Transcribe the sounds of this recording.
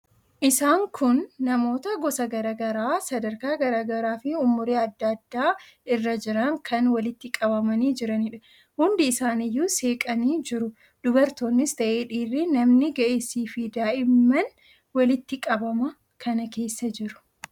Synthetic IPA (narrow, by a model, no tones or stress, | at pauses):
ʔɪsaːŋkʰʊnːɐmo̞ːt̪ɐɡɔsɐɡɐɾaːɡɐɾaːsɐd̪ɐɾkaːɡɐɾaːɡɐɾaːfɪʊmːʊɾeːɐd̪ːɐd̪ːaː | ɪrːɐd͡ʒɪɾɐŋkʰɐnwɐlɪt̪ːɪkʼɐbɐmɐniːd͡ʒɪɾɐnɪᶑɐ̥ | hʊnd̪ɪːsaːnɪjːuːse̞ːkʼɐniːd͡ʒɪɾʊ | d̪̥ʊbɐɾt̪o̞ːnːɪst̪ɐʔeːᶑiːrːɪnɐmnɪɡɐʔeːsiːfɪd̪aːʔɪmːɐn | wɐlɪt̪ːɪkʼɐbɐmɐ | kʰɐnɐke̞ːsːɐd͡ʒɪɾʊ̥